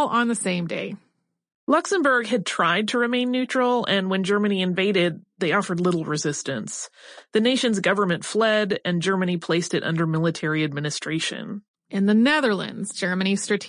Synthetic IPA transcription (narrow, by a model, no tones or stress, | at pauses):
lˠə̃nðɨsẽɪ̃mdeɪ | lʌksɨ̃mbə˞ɡɨd̚tʰɹ̥aɪd̚tʰɨɹɨmẽɪ̃nːʉt͡ʃɹ̥l̩ˠɨ̃nwɨ̃nd͡ʒɜ˞mɨniɨ̃ɱveɪɾɪd̪̚ðeɪɔfə˞dˡlɪɾl̩ˠɹɨzɪstɨ̰̃nsðɨneɪʃɨ̃nzɡʌvə˞mɨ̃ntflɛɾɨ̃nd͡ʒɜ˞mɨñipʰl̥eɪstɨɾʔʌ̰̃ndə˞mɪlˠətʰɛɹiɨd̚mɪnɨstɹ̥eɪʃɨ̰̃n | ʔɨ̃nðɨnɛðə˞lˠɨ̰̃ndzd͡ʒɜ˞mɨ̃ñistɹ̥ɨtʰ